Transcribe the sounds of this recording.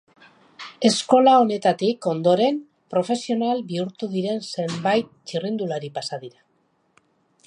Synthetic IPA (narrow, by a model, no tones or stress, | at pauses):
e̞sko̞lao̞ne̞t̪at̪iko̞nd̪o̞ɾe̞m | pɾo̞fe̞sio̞nalbiuɾt̪uðiɾe̞nse̞mbajt̪̚t͡ʃirind̪ulaɾipasaðiɾa